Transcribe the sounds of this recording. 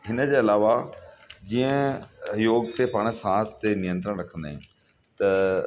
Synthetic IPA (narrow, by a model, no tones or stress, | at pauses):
ɦɪnə̆d͡ʑeːɐlaːʋad͡ʑiə̃joːɡt̪epaːɽ̃sãːst̪enijə̃nt̪ɾəɽ̃ɾɐkʰə̃nd̪aːɦɪ̃n | t̪ɐ